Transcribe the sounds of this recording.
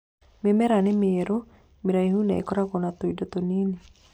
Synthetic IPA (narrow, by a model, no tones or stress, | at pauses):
mɪmɛɾanɪmɪeɾo | miɾaihunaɛ̰kɔɾakɔnat̪oidɔt̪onini